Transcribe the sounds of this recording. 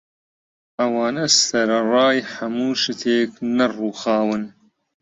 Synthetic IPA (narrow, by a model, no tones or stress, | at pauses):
ɐwɑːnɐsɐɾɐrɑːjħɐmuːʃɨt̪ʰeːknɐruːxɑːwɨn